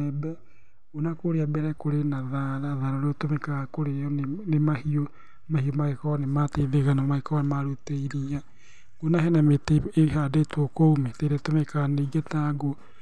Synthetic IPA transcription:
ɛbɛ | onakoɾeabɛɾɛkoɾenaðaɾaðaɾɔɾeotomekakoɾeɔnnemahio | mahiomaekɔɔnemateðeɣanamaekɔɔnemaɾoteiɾia | ɡ̥onaɦɛnameteeɦadetʰokoumɛteɾetomekaneiɡetaɡo

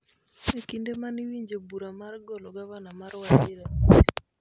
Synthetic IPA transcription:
ekindemaniwiɲd͡ʒebuɾamarɡɔlɔɡaβanamaɾwat͡ʃd͡ʒɪɾa

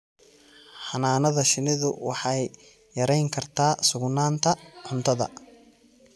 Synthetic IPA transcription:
ħɑnaːnɐðɐʃɪnɪðʊwɑħɑjː | ɐɾɛjŋkʰɐrt̪ʰaːsʊɡnaːnt̪ʰɐħʊnt̪ʰɐðɐ̰

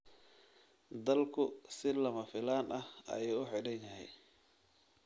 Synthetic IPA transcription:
d̪ɐlkʰʊsɪlɐmɐfɪlaːnʔɐhɐ̰jɛjʊħɪɽɐnjɐɦɛ̰j

